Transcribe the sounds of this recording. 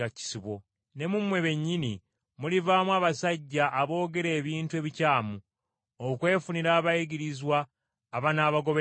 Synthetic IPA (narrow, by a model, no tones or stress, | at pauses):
aci̥siβwo̞ | ne̞mumwe̞βe̞ɲːini | mulivaːmwaːβasaɟːaʔːβo̞ːɡe̞ɾe̞ːβiːntue̞βicaːmu | okwe̞ːfuniɾaːβaiɡiɾizwaː | βanaːβaɡo̞βe